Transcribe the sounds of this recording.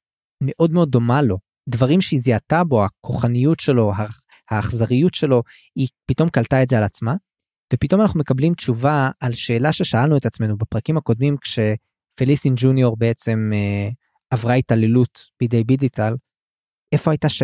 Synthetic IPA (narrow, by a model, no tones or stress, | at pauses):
me̞ʔo̞dmeo̞d̪ːo̞malo̞ | dvaʁimʃeiziatabo̞hakʰoχanijutʃe̞lo̞ɦa | haːχzaʁijutʃe̞lo̞ | ipito̞mkaltaetzealat͡sma | vepito̞manaχnume̞kablimt͡ʃuvaːlʃe̞ːlaʃe̞ʃaalnuet̪at͡sme̞nubapʁakimako̞d̪mimkʃe̞ | felisind͡ʒunjoʁbeet͡se̞me | avʁait̪alelutb̥id̪ejbiɡitʰal | e̞fohajtaʃ